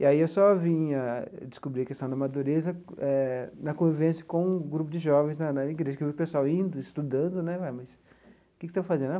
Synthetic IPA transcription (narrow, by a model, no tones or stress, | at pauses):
iaiewsɔvĩɐd͡ʒɪskubɾiɐkest̪ɐ̃w̃d̪ɐmad̪uɾezɐɛnɐkõvivẽsjɐ̥kõũɡɾupʊd͡ʒɪʒɔvẽznɐnɐiɡɾeʒɐkɪewviʊpesʊawĩnd̪ʊɪst̪ud̪ɐ̃nd̪ʊnɛvajmɐs | kɪkɪ̥t̪ãvfazẽd̪a